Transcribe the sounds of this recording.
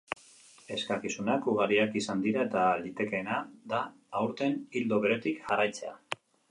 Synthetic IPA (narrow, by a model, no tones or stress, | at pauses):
e̞skakisunakuɣ̞aɾiakisand̪iɾae̞t̪alit̪e̞ke̞ːnad̪aː | wɾt̪e̞nild̪oβe̞ɾe̞t̪ikʝarajt͡se̞a̰